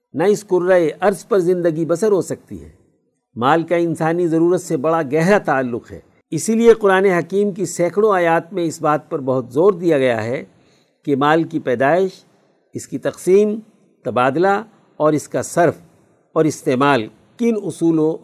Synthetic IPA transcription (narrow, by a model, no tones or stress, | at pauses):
naɪskʊɾːaeʔɐɾzpɐɾzɪ̃nd̪əɡibɐsəɾɦosɐk̚t̪ḭɦɛ̰ː | maːlkaɪ̃nsaːnizɐɾuːɾət̪sebɐɽaɡɛɦɾat̪aːlːʊqɦɛ̰ː | ɪsilieqʊɾaːneɦɐkiːmkisɛːkʰɽ̃õaːjaːt̪mẽɪsbaːt̪̚pɐɾbɐɦʊt̪zoːɾd̪ijaɡɐja̰ɦɛ | kemaːlkipɛːd̪aːɪʃ | ɪskit̪ɐqsiːm | t̪ɐbaːd̪la | ɔːɾɪskasɐɾf | ɔːɾɪst̪eːmaːl | kɪnʊsuːlõ